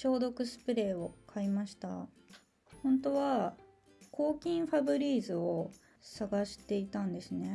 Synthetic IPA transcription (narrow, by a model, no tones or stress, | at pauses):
ɕo̞ːd̪o̞kɯ̟sɨ̥pɯ̟ɾe̞ːo̞kʰaimaɕi̥t̪a̰ | hõ̞nt̪o̞βa | kʰo̞ːkʲĩɰ̃ɸabɯ̟ɾʲiːzɨo | saɡaɕi̥t̪e̞it̪ãnd̪e̞sɨne̞